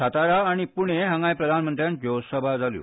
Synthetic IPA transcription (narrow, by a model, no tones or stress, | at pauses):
at̪aɾaːɽ̃ipuɽ̃eɦə̃ŋɡajpɾəd̪ʱanmənt̪ɾjãn̚d͡ʑowsəbʱad͡zaljṵ